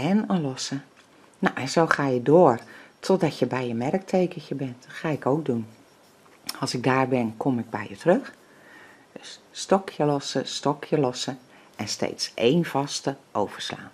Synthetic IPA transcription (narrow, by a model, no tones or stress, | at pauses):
ɛnənlɔsə | nowʔɛnzoːxaːjədoərtʰɔt̚dɔtjəbɛjəmɛrk̚tʰejkəçəbɛntxaːɪkowk̚dun | ɑlˠsɪɡ̚daːrbɛnkʰomɪɡ̚bɛ̰jjətrøx | sstɔkʰjəlɔsəstɔkʰjəlɔsə | ɛnstḛːtsʔeːnvɑstəʔowv̥ərsla̰ːn